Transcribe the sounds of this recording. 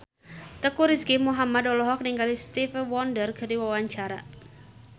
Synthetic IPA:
t̪əkuɾiskimuɦamad̪ɔlɔɦɔk̚niŋkalist̪ifwɔndərɡ̥ə̤ɾiwawaɲt͡ʃaɾa̰

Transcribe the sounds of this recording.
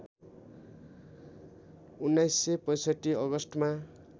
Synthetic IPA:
unːajsːepʌjsʌʈːiʌɡʌsʈma

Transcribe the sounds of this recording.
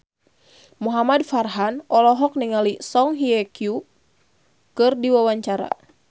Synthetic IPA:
muɦamadfarɦanʔɔlɔɦɔk̚niŋalisɔŋɦiɛkiu | kɨrdiwawaɲt͡ʃaɾa̰

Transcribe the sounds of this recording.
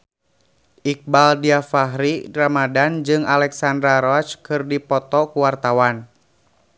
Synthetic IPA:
ʔik̚baldiafaɦɾiramadand͡ʒɨŋalɛksandɾaɾɔt͡ʃkɨrdipɔt̪ɔkuwart̪awan

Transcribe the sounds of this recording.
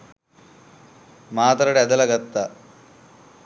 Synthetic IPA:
maːt̪ɾɐɽɛd̪ɐlɐɡɐt̪ːɐ

